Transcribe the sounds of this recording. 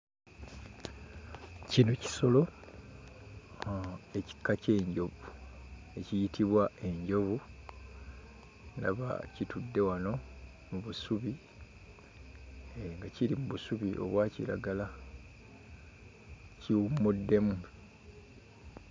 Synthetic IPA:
cinoci̥so̞lo̞ | e̞ci̥kːace̞ːɲɟo̞βu | e̞cijitiβwaʔe̞ɲɟo̞βu | na̰βa̰citudːe̞wano̞ | muβusuβi | ŋɡaciɾimuβusuβiʔo̞̰βwaːcḭɾa̰ɡala | ciwumudːe̞mu

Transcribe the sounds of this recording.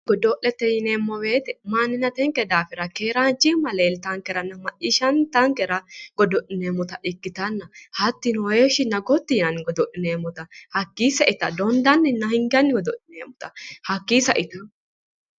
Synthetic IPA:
ɡ̥ɔd̪ɔʔɛt̪ːɛjɪneːmːɔwe̞ːt̪ɛmanːɪnɐt̪ɛŋkɛd̪aːfɪɾɐkeːɾaːnt͡ʃːɪmɐleːlt̪ɐŋkɛɾɐnɐmɐʔɪʃɐnt̪ɐŋkɛɾɐɡ̥ɔd̪ɔʔɪneːmʊt̪ɐʔɪkːɪt̪ɐnːɐhɐt̪ːɪnɔeʃɪnːɐɡɔt̪ːɪjɪnɐnɪɡɔd̪ɔʔɪneːmːɔt̪ɐhɐkːiːsɐʔɪt̪ɐd̪ɔnd̪ɐnːɪnːɐhɪŋɡɐnːɪɡɔd̪ɔʔɪneːmʊt̪ɐhɐkːiːsɐʔɪt̪ʊ

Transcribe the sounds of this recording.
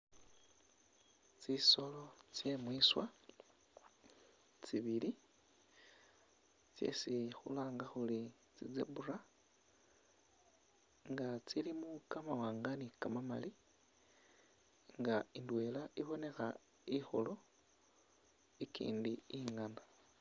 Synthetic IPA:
t͡siso̞lo̞t͡sje̞mwiswa | t͡siβili | t͡sḛsixṵlaːŋɡaxuli | t͡sizḛbura | ŋɡat͡silimukamawaːŋɡanikamama̰li | ŋɡaindwe̞laʔiβo̞ne̞xa | ixo̰lo̞ | ikḭːndiiŋana

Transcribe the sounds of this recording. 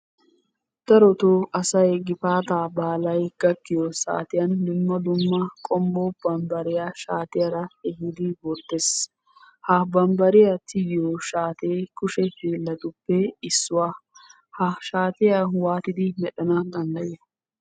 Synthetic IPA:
d̪̥ɐɾɔt̪oʔɐsɐjɡɪfaːt̪aːbaːlɐjɡ̥ɐkːɪjɔsa̰ːt̪ɪjɐndʊmːɐd̪ʊmːɐkʼɔmbob̥ɐmbɐɾɪjaʃaːt̪ɪjɐɾɐɛhɪd̪ɪbɔt̪ːes | hɐbɐmbɐɾɪjɐt̪ʰɪjɪjoʃaːt̪eːkʊʃɛhiːlːɐt̪ʊpːɛɪsːʊwaː | hɐʃaːt̪ɪjawaːt̪ɪd̪ɪmɛɗɐnɐd̪ɐnd̪ɐjɛ

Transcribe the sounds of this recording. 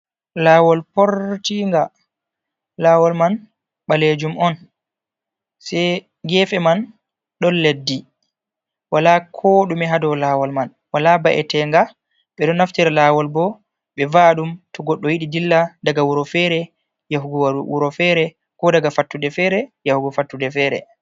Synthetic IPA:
laːwɔlpɔɾtiŋɡa | laːwɔlman | ɓaled͡ʒumʔɔn | sɛ | ɡɛfɛman | ɗɔnlledːi | walakʰɔɗumɛɦadɔwlaːwɔlman | walabaʔɛ̰tɛŋɡa | ɓɛɗɔnaftiɾalawɔlbɔ | ɓɛvaɗumtɔɡɔɗːɔjiɗidilːadaɡawuɾɔfɛɾɛ | jaɦuɡɔwauɾɔfɛɾɛ | kɔdaɡafatːudɛfɛɾɛjahuɡɔfatːudɛfɛɾɛ̰

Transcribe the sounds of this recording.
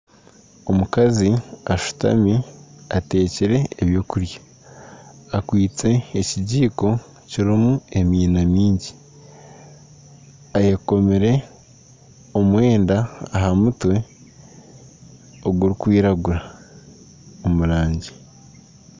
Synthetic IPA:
o̞mukaziaʃu̥ta̰miate̞ːciɾe̞ːβjo̞ːkuɾjḁː | kwiːt͡se̞ːciɟiːko̞ | ciɾimue̞miːnamiːɲɟi | ajeko̞meɾe̞ | o̞mwe̞ːndaːɦamutwe̞ | oɡuɾikwiːɾaɡuɾa | omuɾaːɲɟi̥

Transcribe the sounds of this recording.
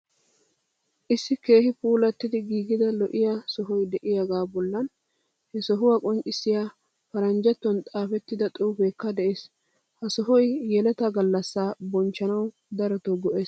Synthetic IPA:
ʔɪsːɪke̞ːhɪpuːlɛt̪ːɪd̪ɪɡiːɡɪd̪ɐlɔʔɪjasɔɦɔjd̪ɛʔɪjaɡaːbɔlːɐn | hɛsɔɦʊwakʼɔŋkʼːɪsːɪja | fɐɾɐnd͡ʒɛt̪ːɔnt̪ʼaːfɛt̪ːɪd̪ɐt̪ʼuːfeːkːɐd̪ɛʔeːs | hɐsɔɦɔjjɛlɛt̪ɐɡɐlːɐsːaːbɔnt͡ʃːɐnɐw | d̪ɐɾɔt̪ɔɡɔʔeːs

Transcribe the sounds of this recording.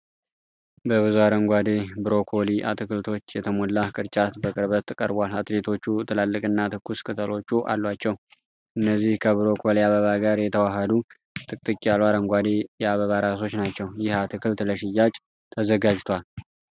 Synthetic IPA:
bəβɨzuaɾəŋɡʷad̪ebɨɾo̞kʰo̞liʔa̰t̪ʰɨkɨlt̪ʰo̞t͡ʃːjɛt̪ʰəmolːakʼɨɾt͡ʃʼat̪bəkʼɨɾbət̪ʰːɨkʼə̰ɾbʷalat̪le̞t̪ʰo̞t͡ʃːut̪ʰɨlalːɨkʼɨnːat̪ʰɨkːuskʰʼɨt̪ʰəlo̞t͡ʃːuʔa̰lːwat͡ʃːɛw | ʔɨnːəzːihkʰəβɨɾo̞kʰoliaβəβaɡaɾjɛt̪ʰəwaɦəd̪u | t̪ʰʼɨkʼt̪ʼɨkʼːijalwaɾəŋɡʷad̪ejɛaβəβaɾas̬o̞t͡ʃːnat͡ʃːɛwjɪhat̪ʰɨkʰɨlt̪ləʃɪjːat͡ʃʼ | t̪ʰəzəɡad͡ʒt̪ʰʷal

